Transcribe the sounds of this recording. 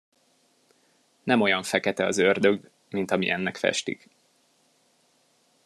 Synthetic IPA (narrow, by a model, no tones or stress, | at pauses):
nɛmo̞jɒɱfɛkɛt̪ɛɒzørd̪øɡ | mint̪ɒmḭʔɛnːɛkfɛ̰ʃt̪ḭk